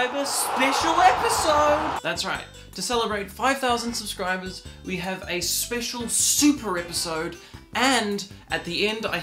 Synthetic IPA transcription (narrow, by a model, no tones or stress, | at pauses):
ɨvɨspɛʃl̩ˠɛpɨsoʊd̚ðætsɹaɪtʰɨsɛlˠəbɹeɪtfaɪv̥θaʊzə̃nd̥səb̥skɹaɪbə˞zwiɨvɨspɛʃl̩ˠsʉpʰə˞ɛpəsoʊdɨ̃nʔɨt̪̚ðiɛ̃nda̰ɪ